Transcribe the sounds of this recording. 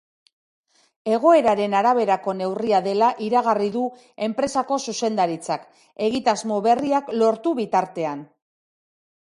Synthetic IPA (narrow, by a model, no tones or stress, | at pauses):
e̞ɣ̞o̞e̞ɾaɾe̞naɾaβ̞e̞ɾako̞ne̞wriaðe̞laʔiɾaɣariðu | e̞mpɾe̞sako̞suse̞nd̪aɾit͡sak | e̞ɣit̪azmo̞βe̞riaklo̞ɾt̪uβit̪aɾt̪e̞an